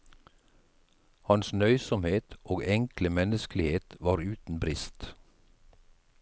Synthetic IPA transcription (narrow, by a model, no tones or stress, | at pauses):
hɑnsnœʏsɔmheːt̪ʔoːɡɛŋkləmɛnəsklɪheːt̪ʋɑːɾʉːt̪n̩bɾɪst̪